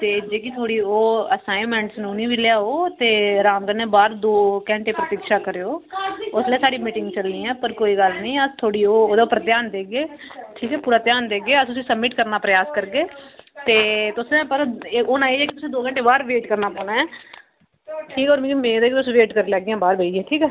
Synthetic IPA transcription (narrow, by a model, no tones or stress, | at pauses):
t̪eːd͡ʒeːk̬it̪ʰoːɽiːoːəsaːɪmɛ̃ːɳʈsnũːnĩːʋiljaːoːt̪eːɾãːmɡəɾnɛ̃ːbaːɾd̪oːkɛ̃ːɳʈeːpɾət̪iːkʃaːkəɾːoːʊsleːsaːɽiːmiːʈɪ̃ŋɡt͡ʃəlnĩːɛːpəɾkoːiːɡəlnĩːət̪ʰoːɽiːoːoːd̪aːʊpːəɾt̪jaːnd̪eːɡeː | ʈʰiːkɛːpuːɾaːt̪jaːnd̪eːɡeːət̪ʊsĩːsəbmɪʈkəɾnaːpɾəjaːskəɾɡeːt̪eːt̪ʊsɛ̃ːpəɾoːnãːeːɛːkɪt̪ʊsẽːd̪oːkɛ̃ːɳʈeːbaːɾʋeːʈkəɾnaːpɔːɳaːɛː | ʈʰiːkɔːɾmẽd͡ʒemẽːd̪eːkit̪ʊsːʋeːʈkəɾeːlɛːɡɪãːbaːɾbʱeːd͡ʒiẽːʈʰiːkɛː